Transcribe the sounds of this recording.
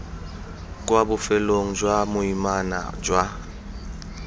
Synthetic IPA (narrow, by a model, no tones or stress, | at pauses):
kʼwabʊfɛloŋ̩d͡ʒwamʊimana̰d͡ʒwa